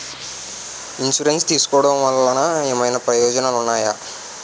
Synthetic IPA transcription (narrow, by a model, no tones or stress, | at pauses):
insuɾenst̪iːsu̥kɔːɽɐ̃mʋɐlːɐnaːeːmɐjnɐpɾɐjoːd͡ʒɐnaːlunːaːjaː